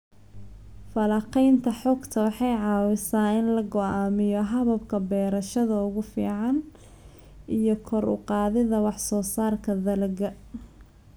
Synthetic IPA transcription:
fɐlɑqɛjnt̪ʰɐħɔːɡt̪ʰɐwɑħɑjʕɑːwɪsaːɪnlɐɡɔʔaːmɪjɔɦɐβɐb̚kʰɐbɛːɾɐʃɐðɐʊɣʊfḭːʕɑn | ʔijɔkʰɔɾʊ̰qɑːðɪðɐwɑħsɔːsaːrkʰɐðɐlɐɣɐ

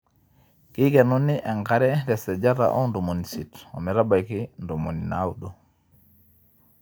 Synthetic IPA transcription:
kiɡɛnunːiʔɛŋkaɾɛdɛsɛd͡ʒaɾa̰ʔɔ̰ndumonisitɔ̰mɛɾabajkindumoninawuɗɔ

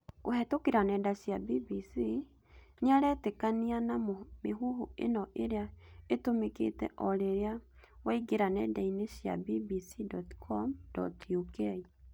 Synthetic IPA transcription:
koɦɛtokeɾanɛːndaɕjabibisi | ɲaɾɛtekanianamomeɦuɦuḛnɔʔeɾeaetomekḛtɛ̰ʔɔɾeɾea | waiɡeɾanɛdaineɕja̰bibisidɔtkʰɔmdɔ̰tjukei

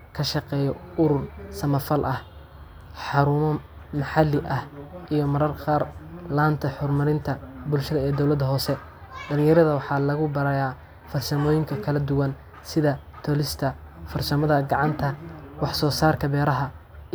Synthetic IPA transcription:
kʰɐʃɑqɛːjɔʊɾʊrsɐmɐfɐlʔɐh | ħɑɾʊːmɐ | mɐħɑlːɪʔɐhʔijɔmɐɾɐrqaːrlaːnt̪ʰɐħʊrmɐɾɪnt̪ʰɐbʊlʃɐðɐɛːd̪ɔwlɐd̪ɐɦɔːsɛ | ɖɐlɪ̃jɐɾɐðɐwɑħɑːlɐɣʊbɐɾɐjaː | fɐrsɐmɔːjɪŋkʰɐkʰɐlɐd̪ʊwɐn | sɪðɐt̪ʰɔlɪst̪ʰɐfɐrsɐmɐðɐɡɑʕɑnt̪ʰɐwɑħsɔːsaːrkʰɐbɛːɾɐɦɐ

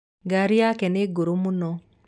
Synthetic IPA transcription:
ɡaɾiakɛneɡoɾomunɔ

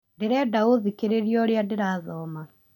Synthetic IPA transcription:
ndeɾɛdaoðikeɾeɾiɔɾjadeɾaðɔma

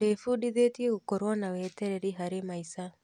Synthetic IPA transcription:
efuɗiðetieɣokoɾwɔnawɛtɛɾɛɾiɦaɾemaisa

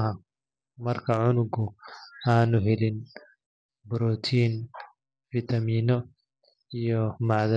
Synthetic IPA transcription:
ɦɐ | mɐrkʰɐʕʊnʊɡʊaːnʊɦɛlɪn | bʊɾɔt̪ʰiːn | fit̪ʰɐmiːnɔ | ijɔmɑʕðɐ

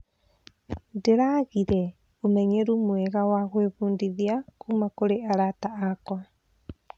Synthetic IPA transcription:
ndeɾaɣiɾɛ | omɛɲeɾumwɛɣawaɣweβuːndiðiakumakoɾeaɾataakɔ

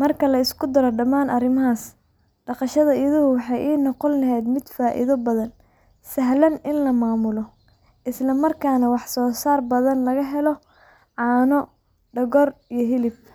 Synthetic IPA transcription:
mɐrkʰɐlɐɪskʰʊd̪ɐɾɔɖɐmaːnʔɐrɪmɐɦaːs | ɖɑqɑʃɐðɐiðʊhʊwɑħɑjʔiːnɔqɔnlɐɦɛjd̪mɪd̪faːʔɪ̰ðɔbɐðɐn | sɐɦlɐnɪnlɐmaːmʊlɔ | ʔɪslɐmɐrkʰaːnɐwɑħsɔːsaːrbɐðɐnlɐɣɐɦɛlɔ | ʕɑːnɔ | ɖɐɣɔrijɔɦɪlɪb̚

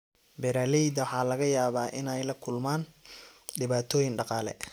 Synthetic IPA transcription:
bɛɾaːlɛjd̪ɐwħɑːlɐɣɐjaːβaːʔɪnɛjlɐkʰʊlmaːn | ɖɪβaːt̪ʰɔːjɪnɖɑqɑːlɛ̰

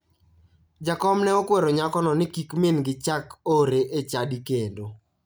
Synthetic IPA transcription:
d͡ʒakɔmnɛɔkwɛɾoɲakɔnɔnɪkikmenɡɪt͡ʃakoɾeʔet͡ʃadikendo

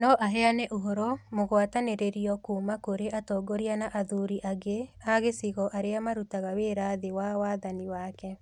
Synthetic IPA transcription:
nɔʔaɦɛanɛʔoɦoɾɔmoɣwataneɾeɾiɔkuːmakoɾeʔatɔːɡoɾianaʔaðuɾiʔaɡeaɣesiɣɔʔaɾeamaɾutaɣaweɾaðewawaðaniwaːkɛ

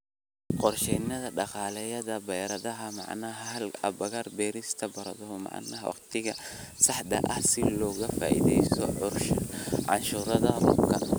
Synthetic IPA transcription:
qɔrʃɛnɐðɐɖɑqɑːlɛjɐðɐbɛjɾɐðɐɦɐmɑ̰ʕnɐɦɐɦɐlɐbɐɣɐrbɛːɾist̪ʰɐbɐɾɐðɔhmɑ̰ʕnɐɦwʔɑ̰qt̪ʰɪɣɐsɑħd̪ɐ̰ʔɐhsɪlɔːɣɐfa̰ːʔḭðɛjsʰɔʕrʃʕɑ̰nʃuːɾɐðɐbʊ̰kʰɐ̰n

